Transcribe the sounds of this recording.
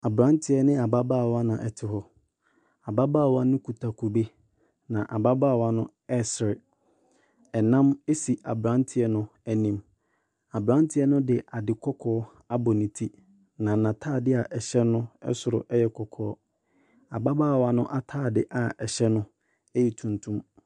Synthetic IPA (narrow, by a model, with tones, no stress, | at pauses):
a˨bɾã˦n˦tʰɪ˦ɛ˦nɪ̃˦a˨ba˦baː˦˨wa˦nã˨ʔɛ˨tʰɪ˨hɔ˨ | a˨ba˦baː˦˨wa˦nʊ̃˦kʰu˨tʰa˨kʰu˨be˦ | nã˨ʔa˨ba˦baː˦˨wa˦nʊ̃˦ | ɛ˦˨sɪ˨ɾɪ˨ | ɛ˨nã˦me˦si˨a˨bɾã˦n˦tʰɪ˨˦ɛ˦nʊ̃˦æ˨nĩ˨m | a˨bɾã˦n˦tʰɪ˦ɛ˦nʊ̃˦dɪ˨ʔa˨dɪ˨kʰɔ˦kʰɔː˦ | a˦bɔ˨nĩ˨tʰi˦ | nã˨nã˨tʰaː˦˨dɪ˦a˨ʔɛ˨ɕɛ˦nʊ̃˦ɛ̰˦sʊ˨ɾʊ̰˨ʔɛ˦jɛ˨kʰɔ˨kʰɔː˦ | a˨ba˦baː˦˨wa˨nʊ̃˦ʔa˨tʰaː˦˨dɪ˦ʔa˨ɛ˨ɕɛ˦nʊ̃˦ | e˦ji˨tʰũ˨ntʰũ˦m